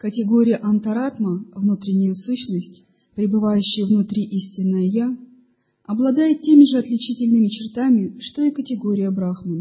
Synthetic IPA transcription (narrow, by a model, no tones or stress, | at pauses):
kətʲɪɡo̞ɾʲɪjəʔɐnt̪ɐɾat̪məvnut̪ɾʲɪnʲːɪjəsuɕnəsʲtʲ | pɾʲɪbɨvajʉɕːɪjəvnʊt̪ɾʲiʔisʲtʲɪnːəjəja | ɐblˠɐd̪ajɪt̪̚tʲːe̞mʲɪʐɨɐt̪lʲɪt͡ɕitʲɪlʲnɨmʲɪt͡ɕɪrt̪amʲɪʂt̪oikətʲɪɡo̞ɾʲɪjəbɾaxmən